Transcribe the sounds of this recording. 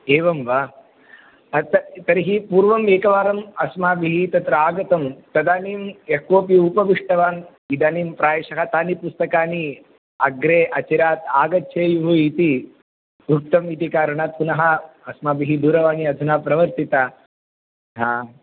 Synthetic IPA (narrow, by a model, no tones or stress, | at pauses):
eːʋɐmʋa | t̪ɐt̪ɐɾiɦipuːɾʋɐmeːkɐʋaːɾɐmɐsmaːbiɦit̪ɐt̪ɾɐaːɡɐt̪ɐmt̪ɐd̪aːniːmekoːpiupɐʋiʂʈɐʋaːn | id̪aːniːmpɾaːjɐʃɐɦɐt̪aːnipust̪ɐkaːni | ɐɡɾeːʔɐt͡ʃɐɾaːt̪aːɡɐt̪ʃʰeːjuɦɐit̪i | bʱuk̚t̪ɐmit̪ikaːɾɐɳaːt̪̚punɐɦɐ | ɐsmaːbiɦid̪uːɾɐʋaːniɐd̪ʱunaːpɾɐʋɐɾt̪it̪a | ɦaː